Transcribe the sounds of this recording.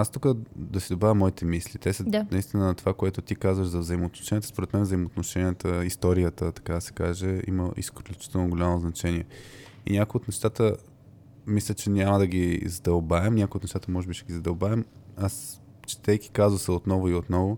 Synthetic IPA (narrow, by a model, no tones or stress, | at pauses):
ast̪ukəd̪ɐsid̪obavʲɐmːɔit̪ɛmislʲit̪ɛsəd̪nɐist̪inənɐt̪ovakoɛt̪ʊt̪ikazvəʒzɐvzɐimoːt̪no̥ʃɛnʲjət̪əspoɾɛt̪mɛnvzəimoːt̪noʃɛnʲiət̪əist̪ɔɾijət̪ət̪ɐ̥kad̪ɐsɛ̥kaʒɛḭməʔḭskllʲut͡ʃi̥t̪ɛlˠnoɡolʲamoznɐt͡ʃɛnʲiɛ | ḭnʲakojiot̪nɛʃt̪at̪ə | mislʲət͡ʃɛnʲaməd̪ɐɡizd̪ɐlˠbaɛmnʲakoʊjiot̪nɛʃt̪at̪əmɔʒɛbiʃɛ̥əɡizɐd̪ɐlˠbavɛmas | t͡ʃɛ̥t̪ɛki̥kazvəsəot̪nɔvoiot̪nɔvʊ